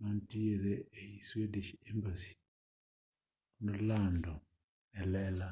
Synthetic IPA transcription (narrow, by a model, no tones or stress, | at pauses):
mantieɾeeiswedeʃiembasi̥ | nolando | ɛlɛla